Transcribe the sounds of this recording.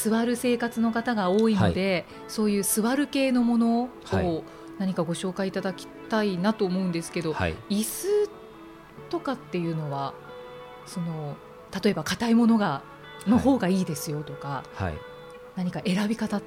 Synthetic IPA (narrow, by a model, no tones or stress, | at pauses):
sɨβaɾɯ̟se̞ːkat͡sɨno̞kat̪aɡao̞ːinod̪e̞ | so̞ːjɯ̟ːsɨβaɾɯ̟ke̞ːno̞mo̞no̞ho | naɲ̟ikaɡo̞ɕo̞ːkait̪ad̪akʲi̥t̪ainat̪o̞ːmo̞ɯ̃nd̪e̞sɨ̥ke̞d̪o̞ha̰isɨ | t̪o̞kat̪ːe̞jɯ̟ːno̞βa | so̞no̞ | t̪at̪o̞e̞bakat̪aimo̞no̞ɡa | no̞ho̞ːɡaiːd̪e̞sɨjo̞t̪o̞kaha̰i | naɲ̟ikaʔe̞ɾabʲikat̪a